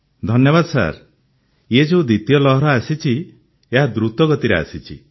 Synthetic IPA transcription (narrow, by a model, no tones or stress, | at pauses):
d̪ʱɔnjɔβad̪ɔsa̰ɾ | jed͡ʒeud̪it̪jɔlɔɦɾɔasit͡ʃʰi | eɦad̪ɾut̪ɔɡɔt̪iɾea̰sit͡ʃʰi